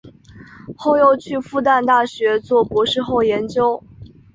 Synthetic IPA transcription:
xo˥˧ʊjo˥˧ʊt͡ɕʰy˥˧fu˥˧t̪a˥˧nt̪a˥˩ɕɥɛ˧˥t͡swɔ˥˩pwɔ˧˥ʂɻ̩˥˧xo˥˩ʊjɛ˧˥nt͡ɕjo˥ʊ

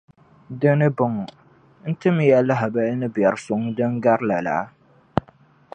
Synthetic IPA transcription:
dɨ˦nɨ˦bʊ˨ŋɔ˨ | n̩˦tɨ˦m˦˨jɛ˦la˦ɦa˨ba˦nɨ˦bjɛ˨ɾsʊ˦ŋ˦dɨ˦ŋ˦ɡa˦ɾla˨la̰˨˦

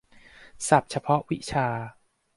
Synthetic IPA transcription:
sa˨˩p̚t͡ɕʰa˧pʰɔ˦˥ʔwi˦˥t͡ɕʰaː˧

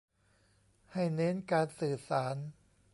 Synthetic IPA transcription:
ha˥˩jne˦˥nkaː˧nsɯː˨˩saː˩˦n

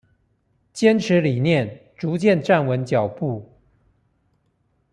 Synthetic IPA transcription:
t͡ɕjɛ˥nʈ͡ʂʰɻ̩˧˥li˨˩njɛ˥˩nʈ͡ʂu˧˥t͡ɕjɛ˥˧nʈ͡ʂa˥˩nwə˧˥nt͡ɕjɑ˨˩ʊpu˥˩

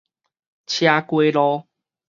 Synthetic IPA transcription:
t͡ɕʰja˧kwe˦lɔ˧

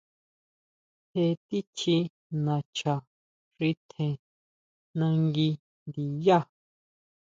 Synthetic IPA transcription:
he˧t̪i˦t͡ʃʰi˧ | nã˨t͡ʃʰa˨ | ʂi˧t̪ʰẽ˨ | nã˧ŋɡi˧ | nd̪i˨ja˦˨

